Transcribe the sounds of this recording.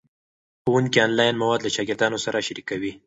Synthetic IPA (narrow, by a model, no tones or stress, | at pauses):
xowuŋkiɑnlɑjnmawɑd̪laʃɑɡɪɾd̪ɑnosaɾaʃaɾikawi